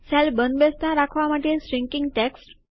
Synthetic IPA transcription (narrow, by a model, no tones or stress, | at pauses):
sɛlbənd̪best̪ãɾakʰʋaməʈːesɾiŋkiŋɡʈeksʈ